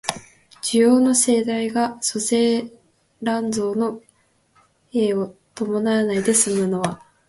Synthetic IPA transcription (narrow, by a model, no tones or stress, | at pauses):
d͡ʑijo̞ːno̞se̞ːd̪aiɡaso̞se̞ː | ɾãnd͡zo̞ːno̞ | eːot̪o̞mo̞naanaid̪e̞sɨmɯ̟no̞βa